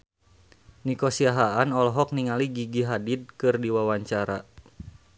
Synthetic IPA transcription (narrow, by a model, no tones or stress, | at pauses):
nikɔsiaɦaanɔlɦɔk̚niŋaliɡiɡiɦadid̚kɨrdiwawaɲt͡ʃaɾa